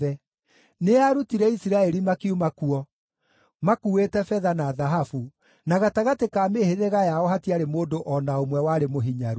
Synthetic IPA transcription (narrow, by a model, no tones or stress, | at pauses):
ɛ | neaɾutiɾɛisiɾaɛɾimakeumakuɔ | makuwetɛfɛðanaðaɦafu | naɣataɣatekaːmeheðeɣajaɔhatiaɾemoːndoʔɔnaomwɛwaːɾemoɦiɲaɾu